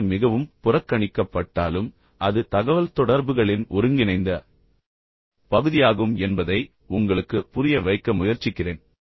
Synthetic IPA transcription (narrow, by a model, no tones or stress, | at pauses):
mɪɣɐʋɯmpʊrɐkːɐɳɪkːɐpːɐʈːaːlɯm | ʔɐðɯt̪ɐɣɐʋɐlt̪ɔɽɐɾbɯɣɐɭɪnʔɔɾɯŋɡɪnɐɪnd̪ɐ | pɐɣɯðɪjaːɣɯmɛnbɐðɐɪ | ʊŋɡɐɭɯkːɯpʊɾɪjɐʋɐɪkːɐmʊjɐɾt͡ʃɪkːɪreːn